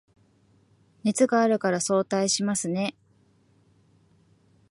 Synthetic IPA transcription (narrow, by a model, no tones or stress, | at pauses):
net͡sɨɡaːɾɯ̟kaɾaso̞ːt̪aiɕimasɨne̞